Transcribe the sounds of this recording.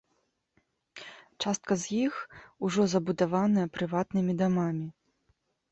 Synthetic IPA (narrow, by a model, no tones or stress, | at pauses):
t͡ʂast̪kɐzʲjixuʐɔzɐbud̪avanɐjɛpɾɨvat̪nɨmʲid̪amamʲi